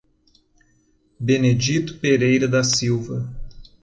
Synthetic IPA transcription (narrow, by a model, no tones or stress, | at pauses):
bened͡ʒit̪ʊ̥peɾejɾɐd̪ɐsiwvɐ